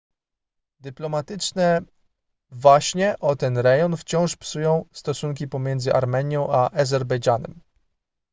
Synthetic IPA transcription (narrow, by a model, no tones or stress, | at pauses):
d̪ɘplɔmat̪ɘt͡ʂnɛ | vwaɕɲɛʔɔt̪ɛnɾɛjɔnft͡ɕɔ̃w̃ʂpsujɔ̃w̃st̪ɔsuŋk̬ʲipɔmʲjɛnd̪zɘʔaɾmɛɲjɔ̃w̃ʔaʔazɛɾbɛjʐanɛ̰m